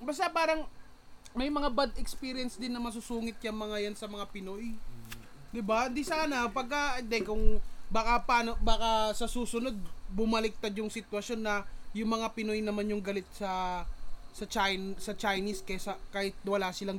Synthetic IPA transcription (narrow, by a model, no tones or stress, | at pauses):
bɐst̪apaːɾɐŋ | mɐjmɐŋabad̪ɛkspiːɾɪjɛnsd̪ɪnːɐmɐs̬ʊsuːŋɪt̪̚jɐŋmɐŋajansɐmɐŋapɪnoj | d̪ɪbahɪnd̪isaːnɐpɐɡ̚kɐɪnd̪ɛkʊŋbaːkɐpaːno̞baːkɐsɐsuːsʊno̞d̪̚bʊmɐlɪk̚t̪ad̪jʊŋsɪt̪wɐsjo̞nːɐjʊŋmɐŋapɪno̞jnɐmanjʊŋɡɐlɪt̪̚sɐ | sɐt͡ʃajnsɐt͡ʃajniskɐsɐkaːhɪt̪̚wɐlaːsɪlaŋ